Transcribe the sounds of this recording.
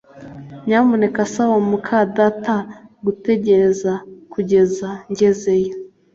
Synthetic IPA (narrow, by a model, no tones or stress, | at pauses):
ɲaːmune̞kasawamukʰadataɡute̞ɟe̞ɾe̞zakuɟe̞zaɲɟe̞zejo